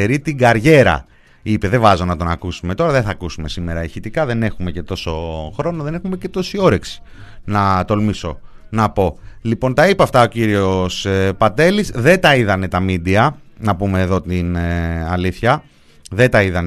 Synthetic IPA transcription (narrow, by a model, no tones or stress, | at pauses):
eɾit̪iɡɐɾʝe̞ɾɐ̰ | ipe̞ðevɐzo̞nɐt̪o̞nɐkusume̞t̪o̞ɾɐðe̞θɐkusume̞simeɾɐeçit̪ikɐðe̞ne̞xume̞ce̞t̪o̞so̞xɾo̞no̞ðe̞ne̞xume̞ce̞t̪o̞sio̞ɾe̞ksi̥ | nɐt̪o̞lmiso̞̰ | nɐpo̞lipo̞nt̪ɐipɐːft̪ɐo̞ciɾio̞spɐt̪e̞lizðe̞t̪ɐiðɐne̞t̪ɐmid̪iɐnɐpume̞ːðo̞t̪inɐliθçɐ | ðe̞t̪ɐiðɐn